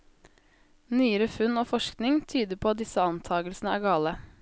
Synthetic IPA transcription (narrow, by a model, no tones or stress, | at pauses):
nyːəɾəfʉnoːfɔʃknɪŋt̪ʰyːd̪əpʰoːɑt̪̚d̪ɪsəɑnt̪ʰɑːɡəlsn̩əæːɡɑːlə